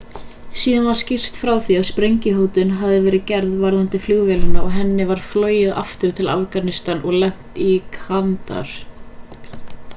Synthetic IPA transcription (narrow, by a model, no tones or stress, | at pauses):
siːðanvaɾ̥scɪr̥t̪fɾaːwθiaðspɾejɲcɪɦowt̪ʏnɦavðɪvɛːɾɪðcɛɾðvaɾðant̪ɪflʏɣvɛlɪnaɔɣɦɛnːɪvaɾ̥flœːɥjɪða̰ft̪ʏɾ̥t̪ʰɪla̰fkanɪst̪anɔɣlɛm̥t̪ikʰant̪a̰ɾ̥